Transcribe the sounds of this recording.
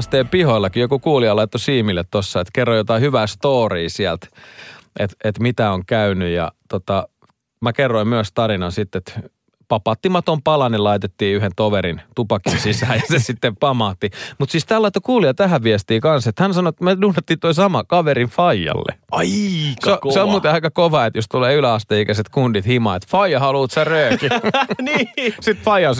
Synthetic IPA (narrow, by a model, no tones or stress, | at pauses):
st̪eːmpihoilːɑkijokukuːliɑlɑit̪ːosiːmilːet̪t̪osːɑet̪kerːojot̪ɑihyʋæːst̪oːriːsiɛlt̪ʔet̪et̪mit̪æoŋkæynyjɑ̰t̪ot̪ɑ | mækerːoimmyøst̪ɑrinɑnsit̪ːet̪ | pɑpɑt̪ːimɑt̪ompɑlɑnilɑit̪et̪ːiːyɦent̪oʋeɾint̪upɑkinsisæːjɑsesit̪ːempɑmɑt̪ːimut̪siːst̪æːlːɑit̪ːɑkuːliɑt̪æɦæʋʋiɛst̪iːkɑnset̪hænsɑnoet̪ːmeduːnːɑt̪ːiːt̪oisɑmɑkɑʋeɾiɱfɑijɑ̰lːḛɑseseolmuːt̪eɑikɑkoʋɑet̪jost̪uleːylæɑst̪eikæset̪kundit̪himɑːet̪fɑijɑhɑluːt̪særøːkiniːsit̪fɑijɑns